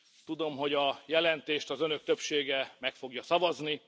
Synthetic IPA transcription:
t̪ud̪o̞mɦo̞ɟɒjɛlɛnt̪eːʃt̪ɒzønø̞k̚t̪øpʃeːɡɛmɛkfo̞ɡjɒsɒvɒzni

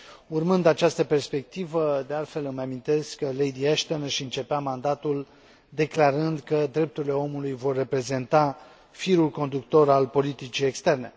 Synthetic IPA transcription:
urmɨnd̪at͡ʃast̪əpe̞rspe̞k̚t̪ivəd̪e̞alt̪fe̞lɨmamint̪e̞skkːəle̞jd̪ieʃt̪onʃiɨnt͡ʃe̞peamand̪at̪ul | d̪e̞klaɾɨnd̪kəd̪ɾe̞p̚t̪uɾile̞o̞mulujvo̞rːe̞pɾe̞ze̞nt̪a | fiɾulko̞nd̪ukt̪o̞ɾalpo̞lit̪it͡ʃije̞kst̪e̞rne̞

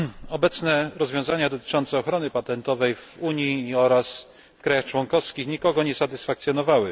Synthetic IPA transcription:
ɔbɛt̪snɛɾɔzvʲjɔ̃w̃zaɲad̪ɔt̪ɘ̥t͡ʂɔnt̪sɛɔxɾɔnɘpat̪ɛnt̪ɔvɛjvuɲjiːɔɾas | fkɾajaxt͡ʂwɔnkɔfskʲixɲikɔɡɔɲɛsat̪ɘsfakt̪sʲjɔnɔvawɘ

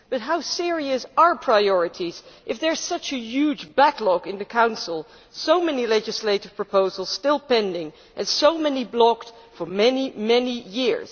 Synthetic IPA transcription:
b̥ʌt̚ɦaʊsɪɹiɨsə˞pʰɹ̥aɪɔɹɨɾʰiz̥ʔɨfðə˞z̥sʌt͡ʃɨjʉd͡ʒbæklɔkɨ̃nðɨkʰãʊ̃nsl̩ˠ | soʊmɛnilɛd͡ʒɨsleɪɾɨv̥pʰɹ̥əpoʊzl̩ˠz̥stɪlˠpɛ̃ndɪ̃ŋ | ʔɨ̃nsoʊmɛniblɔkt | fə˞mɛnimɛnijɪɹz̥

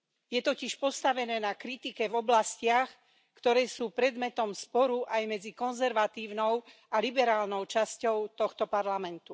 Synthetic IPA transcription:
jɛt̪ɔciʃpɔst̪aʋɛnɛːnakɾit̪ikɛvɔblascɪax | kt̪ɔɾɛːsuːpɾɛd̪mɛt̪ɔmspɔɾuʔajmɛd͡zikɔnzɛɾʋat̪iːʊnɔʊ | alibɛɾaːlnɔʊt͡ʃascɔʊt̪ɔxt̪ɔpaɾlamɛnt̪u

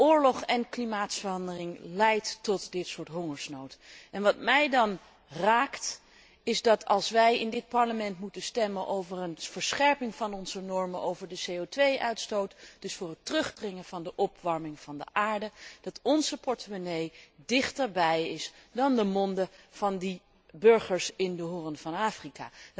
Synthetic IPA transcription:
ʊːɹlɔχɛnklimaːtsfərɑndərɪŋlɛjttɔtdɪtsʊːɹtɦoŋəɹsnowtɛnʋɑt̚mɛjdɑn | raːkt | ɪzdɑtʰɑ̰lˠsʋɛjɪndɪt̚pɑɹləmɛntmutənstɛmənʔowvərənv̥əɹsχɛɹpɪŋvɑnɔnzənɔɹməʔowvəɹdəsejowtʋejʔœ̰ɥtstowtd̥ɵsfʊːrətrɵχdrɪŋəv̥ɑndəʔɔpʋɑɹmɪŋv̥ɑndə̰ʔaːɹdəd̥ɑtɔnzəpɔɹtəmonejdɪχtəɹbɛjɪsdɑndəmɔndəv̥ɑndi | bɵɹχəɹsɪndəɦʊrənv̥ɑnaːfrika̰ː

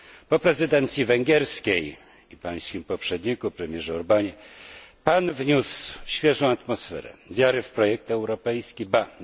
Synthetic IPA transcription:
pɔpɾɛzɘd̪ɛnt̪sʲjivɛŋɡʲjɛɾskʲej | ipaj̃skʲimpɔpʂɛd̪ɲikupɾɛmʲjɛʐɛuɾbaɲɛpanvɲusɕfʲjɛʐɔ̃w̃at̪mɔsfɛ̰ɾɛ̰vʲjaɾɘfpɾɔjɛk̚t̪ɛwɾɔpɛjskʲiba

